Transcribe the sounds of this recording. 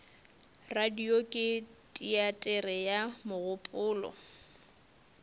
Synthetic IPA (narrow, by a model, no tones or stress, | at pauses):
radiokʼɪtʼiatʼɛrɛjamʊɣʊpʼʊːlɔ̰